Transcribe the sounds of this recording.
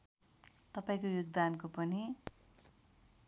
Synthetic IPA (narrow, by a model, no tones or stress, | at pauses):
t̪ʌpaĩkojoɡd̪ankopʌni